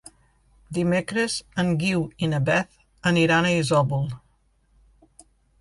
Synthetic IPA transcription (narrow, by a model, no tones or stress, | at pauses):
d̪imekɾəzəŋɡiwinəbɛθ | əniɾanəizɔbulˠ